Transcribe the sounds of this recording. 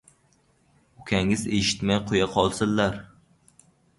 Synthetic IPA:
ʊkʲʰaŋɪzeʃɪ̥t̪majqʰojaqʰɒlˠsɪzlaɾ

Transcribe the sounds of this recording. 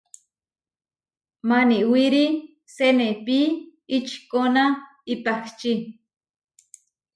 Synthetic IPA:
maniʔwiɾi | senepiːt͡ʃkona | ipakt͡ʃi

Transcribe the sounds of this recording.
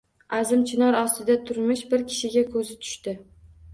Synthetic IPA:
azɪmt͡ʃʰɪnɒɾɒst̪ɪd̪at̪ʰʊɾmɪʃbɪɾkʲʰɪ̥ʃɪɡʲakʰɵzɪt̪ʰʊ̥ʃt̪ɪ

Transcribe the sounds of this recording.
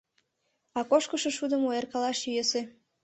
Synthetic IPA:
ɑkoʃkəʃeʃud̪əmoerkɑlɑʃyjese

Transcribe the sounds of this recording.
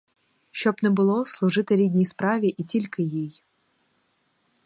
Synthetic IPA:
ʃt͡ʃɔbnɛbʊlˠɔslˠʊʒɪt̪ɪɾʲidʲnʲijspɾɑʋʲiʔitʲilʲkɪjij

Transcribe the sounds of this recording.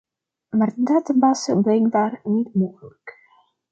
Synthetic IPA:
maːrdatbɑsəblɛjŋdaːrnitmoːɣələk

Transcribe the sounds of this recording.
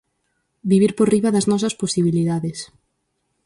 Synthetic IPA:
biβiɾporiβɐðɐznɔs̬ɐsposiβ̞iliðaðes

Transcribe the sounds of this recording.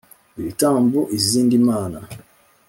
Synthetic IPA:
iɾitaːmbuʔiziːndimaːna

